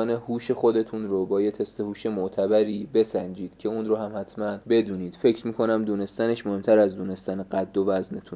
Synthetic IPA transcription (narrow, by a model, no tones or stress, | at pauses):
nehuːʃe̞xo̞d̪e̞t̪ʰunɾobɒːjet̪ʰe̞st̪e̞huːʃe̞moʔt̪ʰæbæɾiːbe̞sænd͡ʒiːd̪̥cʰe̞unrohæmhæt̪ʰmænbe̞d̪uːniːd̪̥fe̞cʰɾmiːkʰo̞næmd̪uːne̞st̪æne̞ʃmohe̞mt̪ʰæɾæzd̪one̞st̪æneɢæd̪ːo̞væznet̪ʰun